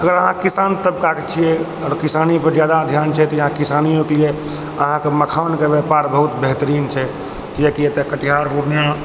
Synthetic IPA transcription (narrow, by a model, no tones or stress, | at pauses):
əɡəɾəɦãkisant̪əb̚kaket͡ʃʰijɛ | ɔːɾkisanipəɾd͡ʒjad̪ad̪ʱjant͡ʃʰɛt̪ɔəɦãkisanijõkelije | əɦãkeməkʰaʋənkeʋjɛpaɾbəɦut̪bəɦt̪əɾiːnt͡ʃʰɛ | kijekiet̪ekəʈiɦaɾpuɾnijã